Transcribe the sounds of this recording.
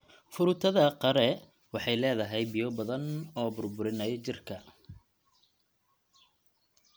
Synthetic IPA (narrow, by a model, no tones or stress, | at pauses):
fʊɾʊt̪ʰɐðɐqɐɾɛ | wɑħɑjlɛːðɐɦɛjbɪjɔbɐðɐnɔːbʊrbʊɾɪnɐjɔt͡ʃɪrkʰɐ